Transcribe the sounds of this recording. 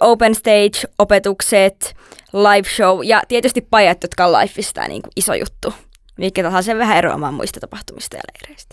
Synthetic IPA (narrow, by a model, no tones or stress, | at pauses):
ʔoupenst̪eit͡ʃopet̪ukset̪lɑiʋʃowjɑ̰t̪iet̪yst̪ippɑjɑt̪jot̪kɑlɑ̰ifːist̪æ̰ːnḭːŋkuʔiso̰jṵt̪ːu | miikːæt̪ɑlhɑlːseʋʋæɦæeɾo̰ɑ̰mɑ̰ːmṵist̪ɑ̥t̪ɑpɑht̪umist̪ɑ̰jɑ̰lḛhreist̪